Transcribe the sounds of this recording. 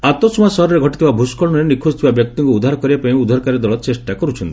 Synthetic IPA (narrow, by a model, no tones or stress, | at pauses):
at̪osmasɔɦɔɾɔɾeɡʱɔʈit̪ʰibabʱuskɔɭnɔɾenikʰust̪ʰibabjɔk̚t̪iŋkuud̪ʱaɾɔkɔɾibapaĩud̪ʱɔɾkaɾɔd̪ɔɭɔt͡ʃesʈakɔɾut͡ʃʰɔnt̪i